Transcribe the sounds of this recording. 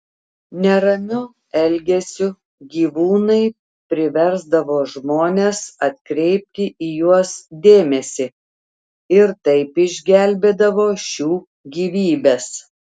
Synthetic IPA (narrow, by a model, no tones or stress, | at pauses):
nʲɛɾɐmʲʊ | ɛlʲɡʲɛsʲʊ | ɡʲiːʋuːnɐɪ | pʲɾʲɪʋʲɛɾzd̪ɐʋoːʒmoːnʲeːsɐt̪ʲkɾʲɛɪp̚ʲt̪ʲɪʔiːjuɔsd̪ʲeːmʲɛsʲɪ | ɪɾt̪ɐɪpɪʒʲɡʲælʲbʲeːd̪ɐʋoːʃʲuː | ɡʲiːʋʲiːbʲeːs